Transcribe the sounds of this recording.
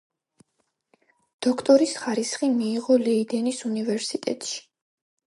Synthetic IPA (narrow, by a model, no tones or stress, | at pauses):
d̪̥ɔkʰt̪ʼɔɾisχaɾisχimiːʁɔlɛid̪ɛnisunivɛɾsit̪ʼɛ̰t̪ʼʃi̥